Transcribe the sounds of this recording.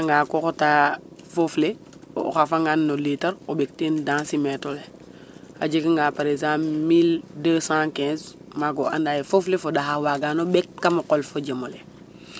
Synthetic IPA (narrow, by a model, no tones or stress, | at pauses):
aŋɡaːkoxota | fofle | o̰xafaŋɡanːolitɐɾobek̚tendãːsimɛtole | aɟekŋɡaːpaɾezãːpmildəːsãkɛ̃ːz | maɡ̬oʔandaːjefoflefodaɦawaɡanobɛkːamoqolfoɟemole